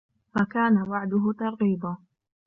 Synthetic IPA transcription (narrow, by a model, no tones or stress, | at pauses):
fakaːnawaʕd̪ʊɦʊt̪ɑɾˤɣiːba